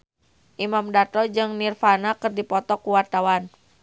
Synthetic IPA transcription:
ʔimamdat̪ɔd͡ʒɨŋnirfanakɨrdipɔt̪ɔkuwart̪awan

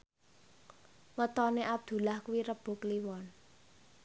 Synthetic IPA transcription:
wət̪ɔneʔab̚d̪̥ṳlahkuwiɾəb̥o̤kliwɔn

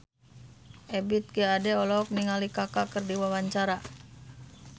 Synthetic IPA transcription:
ʔɛbit̪̚ɡeadɛɔlɔk̚niŋalikakakɨrdiwawaɲt͡ʃaɾa

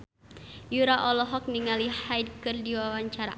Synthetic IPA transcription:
juɾaʔɔlɔɦɔk̚niŋalihajd̚kɨrdiwawaɲt͡ʃaɾa̰

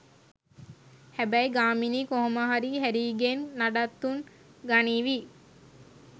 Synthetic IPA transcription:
hæbæjɡaːminiːkoɦoməɦaɾiɦæɾiːɡenːaɖat̪ːuŋ | ɡaniːʋi

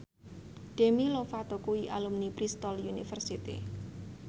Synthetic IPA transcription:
ɖ̥emilofat̪ɔkuiʔa̰lumnipɾist̪ɔljunifərsit̪ḭ

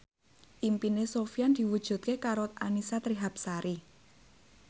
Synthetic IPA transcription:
ʔimpinesofijand̪̥i̤wud̥ʒ̥ṳt̪̚kekaɾoanisat̪ɾiɦap̚saɾi

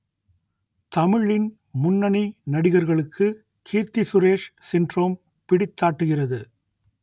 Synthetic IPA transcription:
t̪ɐmɪɭɪn | mʊnːɐninɐɽɪɣɐɾɣɐɭɯkʰːɯ | kʰiːɾt̪isʊɾeːʂsɪndroːm | pɪɽɪt̪ːaːʈːɯɣɪrɐðɯ

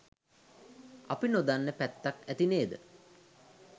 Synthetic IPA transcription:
a̰pinod̪anːəpæt̪ːakæt̪ineːd̪ə̰

